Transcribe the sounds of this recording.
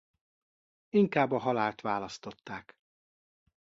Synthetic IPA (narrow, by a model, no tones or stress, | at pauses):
iŋkaːbːɒɦɒlaːlt̪ʋaːlɒst̪o̞t̪ːaːk